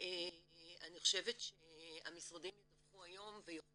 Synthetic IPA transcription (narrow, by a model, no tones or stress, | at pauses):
eaniχo̞ʃevetʃeamisʁad̪imjedavχuajo̞mvejo